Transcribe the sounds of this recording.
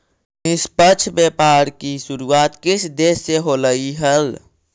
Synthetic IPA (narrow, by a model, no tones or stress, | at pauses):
nɪspət͡ʃʰbepaɾkisuɾuat̪kɪt͡ʃʰd̪esːeɦoləiɦəl